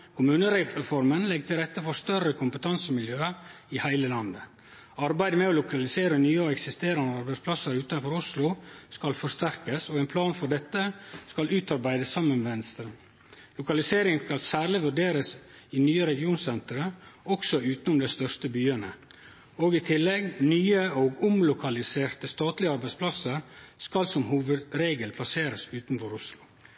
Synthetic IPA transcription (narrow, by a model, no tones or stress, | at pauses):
kʰʊmʉːnəɾɛɾɛfɔɾmənlɛɡ̚t̪ʰɪlɾɛt̪ːəfɔst̪œrːəkʰʊmpət̪ʰɑnsəmɪljøːə | ɪhæɪləlɑnd̪ə | ɑɾbæɪd̪əmɛɔlʊkɑlɪseːɾənyːəɛksɪst̪eːɾɑnəɑɾbæɪspʰlɑsəɾʉːt̪ɑnfɔɾʊslʊskɑlfɔʂt̪æɾkəsoːɛɪnpʰlɑːnfɔɖɛt̪ːəskɑlʉːt̪ɑɾbæɪd̪əsːɑmːənʋʋɛnst̪ɾə | lʊkɑlɪseːɾɪŋnskɑlsæːɾɭɪʋʉɖeːɾəs | ɪnyːəɾɛɡɪuːnsɛnt̪əɾəɔksɔʉːt̪n̩ʊmd̪ɛɪst̪œʂt̪əbyːənə | oːɡɪt̪ʰɪlːɛɡnyːəoːɡʊmlʊkʰɑlɪseːɾt̪əst̪ɑːt̪lɪɑɾbæɪspʰlɑsəɾskɑlsɔmhuːʋəd̪ɾeːɡəlpʰlɑseːɾəsʉːt̪nfɔɾʊslʊ